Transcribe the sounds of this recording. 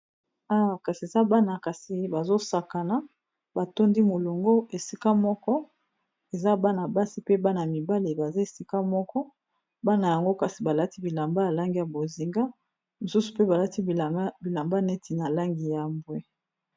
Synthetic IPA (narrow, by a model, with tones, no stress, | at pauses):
a˦wa˨ka˨si˨e˨za˦ba˦na˨ka˨si˨ba˨zo˦sa˨ka˨na˨ | ba˨to˦ndi˦mo˨lo˨ŋɡo˦e˨si˦ka˦mɔ˦kɔ˦ | e˨za˦ba˦na˨ba˦si˦pe˦ba˦n˨a˨mi˨ba˦le˨ba˨za˦e˨si˦ka˦mɔ˦kɔ˦ | ba˦na˨ja˨ŋɡo˦ka˨si˨ba˨la˦ti˦bi˨la˨mba˦ja˨la˦ŋɡi˦ja˨bo˨zi˨ŋɡa˦ | mo˨su˦su̥˨pe˦ba˨la˦ti˦˨˦bi˨la˨mba˦nɛ˦tʰi˨na˨la˦ŋɡi˨ja˨mbwe˦